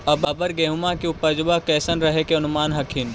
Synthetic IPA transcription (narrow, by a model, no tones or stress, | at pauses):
ɐbɐbəɾɡɛːɦʊmakiʊpəd͡ʒbakɛːsənɾɐɦekeɐnʊmaːnɦɐkʰin